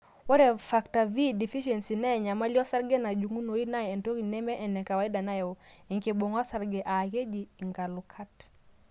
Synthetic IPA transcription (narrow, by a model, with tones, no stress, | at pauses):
wɔ˦ɾɛ˨fa˨kta˨vi˦di˨fi˦ʃɛ˨nsi˨nɛ˦˨ɲa˨ma˦li˦ɔ˦sa˦ɾɡɛ˦na˨d͡ʒu˨ŋu˦no˨i˦na˦ɛ˨ɛ˨nto˦ki˨nɛ˦mɛ˦ʔɛ˨nɛ˨ka˨wa˨i˦da˨na˦jɛ˨ɔ˨ɛ˨ŋke˨bɔ˨ŋa˦sa˦ɾɡɛ˨ʔa˨ke˦d͡ʒi˨ŋɡa˨lu˨kʰa˦t